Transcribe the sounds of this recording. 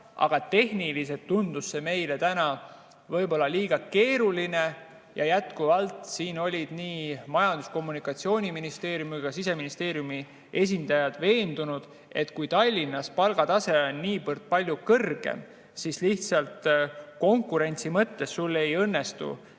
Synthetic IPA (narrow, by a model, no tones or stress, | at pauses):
ʔɑ̰ɡ̥ɑt̪e̞hnilis̬et̪ːund̪̥usːe̞me̞jle̞t̪ænɑ | vɤ̞jbo̞lːɑliːɡ̥ɑke̞ːɾuline̞ | jɑjæt̪kuvɑlt̪ˑsiːno̞lʲid̪̥niːmɑjɑnd̪̥usko̞mːunikːˑɑt̪sio̞ːnʲiminist̪e̞ːɾjumujkɑsise̞minist̪e̞ːɾijumi | e̞s̬ʲind̪̥ɑjɑd̪̥ve̞ːnd̪̥unud̪̥ | e̞t̪kujt̪ɑlʲːinːɑspɑlɡ̥ɑt̪ɑse̞onːiːpɤrt̪̚pɑlʲjukɤrɡ̥ḛm | sisliht̪sɑlt̪ko̞ŋkuɾe̞nʲt̪simɤt̪ːe̞sːulːe̞jɤnːe̞st̪ṵ